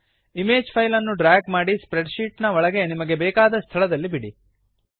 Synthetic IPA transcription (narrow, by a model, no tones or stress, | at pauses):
imeːd͡ʒpʰɐjlɐnːuɖɾaːɡmaːɽispɾeɖʃiːʈnɐɔɭɐɡe̞nimɐɡe̞bɛːkaːd̪ɐst̪ʰɐɭɐd̪ɐlːibiɽi